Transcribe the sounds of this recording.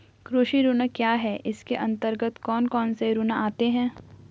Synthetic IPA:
kɾuːʃiɾunakjaːɦɛʔɪskeʔɐ̃nt̪əɾɡət̪kɔːnkɔːnseɾunaaːt̪eɦɛ̃ː

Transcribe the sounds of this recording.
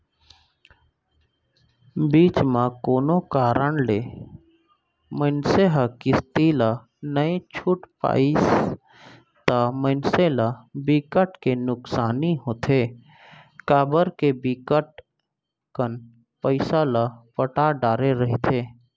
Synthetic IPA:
biːt͡ʃmãkoːnokaːɾəɳle | mənseɦakɪst̪ila | nəet͡ʃʰʊʈpa̰ːɪs | t̪amənselabikəʈkenʊksaːniɦoːt̪ʰeː | kaːbəɾkebikəʈ̚ | kən | pəɪsalapəʈaɖaːɾeɾəɦit̪ʰeː

